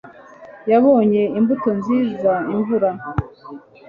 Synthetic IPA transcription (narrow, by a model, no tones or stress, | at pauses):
jaβo̞ːɲe̞imbuto̞nziːzaiɱvuɾa